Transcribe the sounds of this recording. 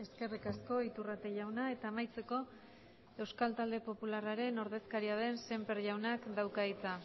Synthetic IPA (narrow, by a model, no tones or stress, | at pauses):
e̞ske̞rikasko̞it̪urat̪e̞ʎawnae̞t̪aːmajt͡se̞ko̞ | e̞wskalt̪ald̪e̞po̞pularaɾe̞no̞ɾðe̞skaɾiað̞e̞nse̞mpe̞ɾʝawnakd̪awkait͡sa